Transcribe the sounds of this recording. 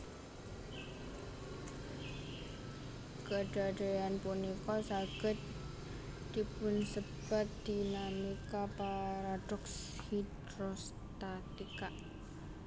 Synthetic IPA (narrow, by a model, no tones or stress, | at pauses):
ɡ̥əɖ̥aɖ̥ajanpunikɔsaɡ̥ət̪̚ | d̪̥ipʊnsəb̥at̪̚d̪̥inamikapaɾaɖ̥ɔks | hid̪ | ɾos | t̪at̪ika